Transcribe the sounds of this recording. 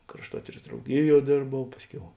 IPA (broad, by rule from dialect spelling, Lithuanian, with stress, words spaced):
krɐʃˈtuɔtʲiːrɐs drɐʊˈɡʲɪˌjuɔ ˈdʲeːrbɐʊ ˈpɑːsʲˌkʲɛʊ